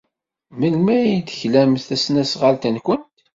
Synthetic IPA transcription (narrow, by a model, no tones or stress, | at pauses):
məlmæjid̪çlæmθæsnæsʁalt̪ənkʷənt̪